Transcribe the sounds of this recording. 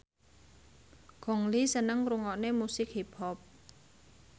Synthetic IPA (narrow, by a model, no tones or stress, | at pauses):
ɡ̥ɔŋlisənəŋɾuŋɔʔnemusɪk̚hipʰɔp̚